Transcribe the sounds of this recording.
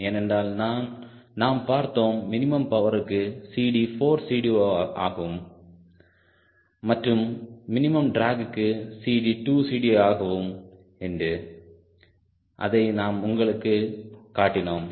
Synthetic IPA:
eːnɛndaːlnaːn | naːmpaːɾt̪oːmːɪnɪmɐmpɐʋɐɾɯkːɯsiːɽifoːɾsiːɽiaːɣɐʋɯm | ɐʈrɯmːɪnɪmɐmɖɾaːɡɯkːɯsiːɖiʈuːsiːɽiaːɣɐʋɯm | ɛndrɯ | ʔɐ̰ðɐɪnaːmʊŋɡɐɭɯkːɯkaːʈːɪnoːm

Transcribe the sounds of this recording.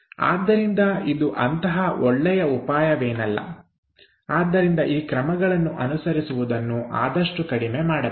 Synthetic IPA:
a̰ːd̪ːɐɾind̪ɐid̪uʔɐnt̪ɐɦɐɔɭːɛjɐupaːjɐʋeːnɐlːɐ̰ | aːd̪ːɐɾind̪ɐʔiːkɾɐmɐɡɐɭɐnːuʔɐnusɐɾisuʋud̪ɐnːuʔa̰ːd̪ɐʂʈukɐɽime̞maːɽɐ

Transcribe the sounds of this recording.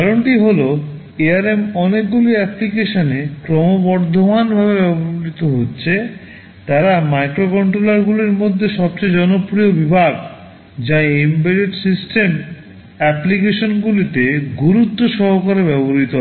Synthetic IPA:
ɔɾoɳʈiɦolo | eaɾemɔnekɡuliɛplikeʃonekɾɔmobɔɾd̪ʱomanbʱaβebɛboɾit̪oɦotːɕʰe | t̪aɾamajkɾokɔɳʈɾolaɾɡuliɾmod̪ʱːeʃɔb̚t͡ɕejd͡ʑɔnopɾiobibʱaɡ | d͡ʑaembeɾeʈsisʈem | ɛplikeʃonɡulit̪eɡuɾut̪ːoʃɔɦokaɾebɛboɾit̪oɦ

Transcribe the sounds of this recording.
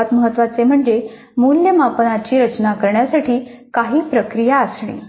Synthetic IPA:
at̪məɦət̪ːʋat͡sem̤əɳd͡ze | muljəmapənat͡ɕiːɾət͡ɕnakəɾɳjasaʈʰiːkaɦiːpɾəkɾijaəsɳḭː

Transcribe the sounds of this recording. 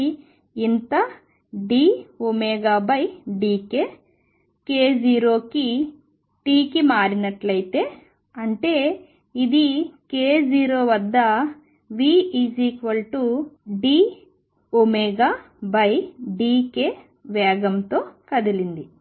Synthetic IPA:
int̪ɐ | ɖiːomɛːɡaːbɐjɖiːke̞ː | keːd͡ʒiːɾo̞ːki | ʈiːkimaːɾinɐʈlɐjit̪e̞ː | ɐɳʈe̞ː | id̪ikeːd͡ʒiːɾo̞ːʋɐd̪ːɐ | ʋiːiːd͡ʒiːkʋɐlʈuɖiː | omeːɡaː | bɐjɖiːke̞ː | ʋɛːɡɐmt̪oːkɐd̪ilind̪i

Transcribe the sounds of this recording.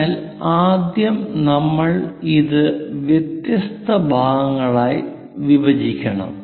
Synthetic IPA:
l | aːd̪jɐmnɐmːɐɭiðɨʋjet̪jɐst̪ɐbʱaːɡɐŋːɐɭaːj | ʋiʋɐd͡ʑikʲːɐɳɐ̰m

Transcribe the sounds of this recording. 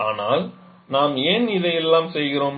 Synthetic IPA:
aːnaːl | naːmeːnɪðɐjɛlːaːmsɛjɣɪɾoːm

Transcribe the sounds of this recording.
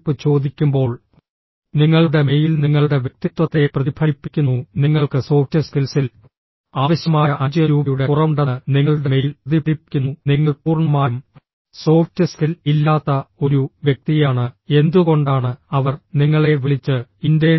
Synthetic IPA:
pːɨt͡ɕo̞ːd̪ikʲːumbo̞ːɭ | niŋːɐɭuɽe̞mejilniŋːɐɭuɽe̞ʋjek̚t̪it̪wɐt̪ːe̞prɐðibʰʱɐipːikʲːunːuniŋːɐɭkɨso̞ːftɨskilsil | aːʋɐɕjɐmaːjɐʔɐd͡ʑɐjɐɾuːɐjuɽe̞kurɐʋuɳɖɐniŋːɐɭuɽe̞mejilpɐðibʰʱɐɽipkʲːunːuniŋːɐɭpuːrɳɐmaːjum | so̞ːftɨskililːaːt̪ːɐoɾuʋjek̚t̪ijaːɳɨe̞nd̪uɣo̞ɳɖaːɳɨɐʋɐrniŋːɐɭeʋiɭit͡ɕːɨindɐ

